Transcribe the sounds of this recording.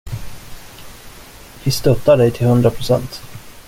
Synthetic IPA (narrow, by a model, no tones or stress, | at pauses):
vɪst̪œt̪ːaɖɛjt̪ʰɪlhɵnd̪ɾapʰɾʊsɛ̰nt̪